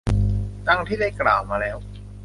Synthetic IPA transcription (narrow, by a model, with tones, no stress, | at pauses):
t̪a˧ŋt̪ʰiː˥˩da˥˩jkla̰ː˨˩wmaː˧lɛː˦˥w